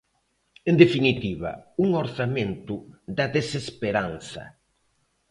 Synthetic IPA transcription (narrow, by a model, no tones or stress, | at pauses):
end̪efinit̪iβɐ̰uŋoɾsamẽnt̪ʊðɐðesespeɾanθɐ̰